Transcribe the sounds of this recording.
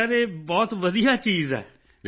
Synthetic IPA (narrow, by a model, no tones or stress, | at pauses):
aːɾeːbɔːt̪ʋəd̪ijaːt͡ʃiːzɛ̰ː | ɾ